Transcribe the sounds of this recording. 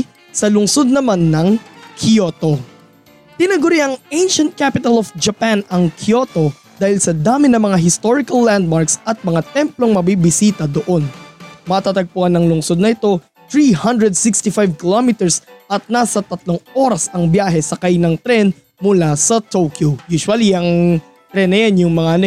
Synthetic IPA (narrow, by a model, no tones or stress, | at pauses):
sɐlʊŋso̞d̪̚nɐmanːɐŋkʰot̪o | t̪ɪnɐɡʊɾiɐŋejnʃɐ̃nt̪̚kapɪt̪ɐlofd͡ʒɐpanɐŋkʰjo̞t̪o̞ | d̪aːhɪlsɐd̪aːmɪnɐmɐŋaɦɪst̪oɹɪkɐlːand̪̚maɹksɐt̪̚mɐŋat̪ɛmplo̞ŋmɐbibɪsiːt̪ɐd̪oʔo̞nmɐt̪at̪ɐɡ̚pʊɐnɐŋlʊŋso̞d̪̚nɐɪt̪o̞ | t̪ɹihɐnd̪ɹɛd̪sɪkst̪ɪfajvkɪlomɪt̪ɛɹsʔɐt̪̚naːsɐt̪ɐt̪loŋo̞ːɾɐsɐŋbjaːɦɛsɐkajnɐŋt̪ɾɛn | mʊlasɐt̪okjujuːswɐliɐŋ | t̪ɾɛnːɐjanjʊŋmɐŋan